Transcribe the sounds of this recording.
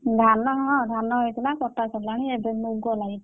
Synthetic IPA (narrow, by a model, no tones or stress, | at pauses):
dʱanɔɦɔ̃dʱanɔɦɔjtulakɔtasɔlaniɛbenuɡɔlaɡi